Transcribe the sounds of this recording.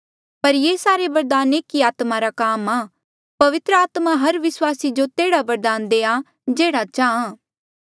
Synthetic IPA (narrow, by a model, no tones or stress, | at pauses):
pɐɾjeːsaːɾebɐɾd̪aːneːkiaːt̪maɾakaːmãː | pɐʋɪt̪ɾəaːt̪maɦɐɾʋɪswaːsid͡ʒot̪eːɽabɐɾd̪aːnd̪eːa | d͡ʒeːɽat͡ʃaːãː